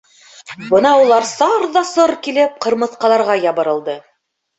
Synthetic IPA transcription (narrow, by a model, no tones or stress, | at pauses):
bɤnɑulˠɑɾsɑɾðɑsɤɾkilɘp̚qɤ̆ɾmɤ̆θqɑlˠɑɾʁɑjɑβɤ̆ɾɤ̆lˠd̪ɤ